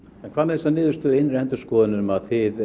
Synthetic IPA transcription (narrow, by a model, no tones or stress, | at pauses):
ɛnkʰvaːðnmɛɛsːanɪːðʏst̪ʏɪnɾɛnt̪ʏɾ̥skɔːðɪnːʏmaðθɪð